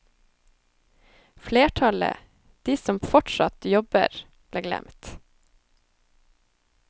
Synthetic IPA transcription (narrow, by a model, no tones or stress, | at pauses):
fleːʈʰɑlə̰ | d̪̥iːsɔmfɔʈʃɑt̪jɔbə̰ɾ | b̥leːɡlɛ̰mt̪